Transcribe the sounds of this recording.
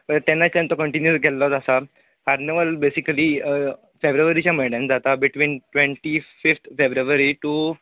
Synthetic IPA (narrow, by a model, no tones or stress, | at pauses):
ət̪ɛnːat͡ɕt̪ãnt̪ɔkəɳʈinjusɡɛlːɔt̪asa | kaɾneʋəlbesikəliː | febɾuʋəɾit͡ɕjameɖẽnd͡zat̪abiʈʋiːnʈʋẽɳʈifift̪ʰfebɾuʋəɾiʈu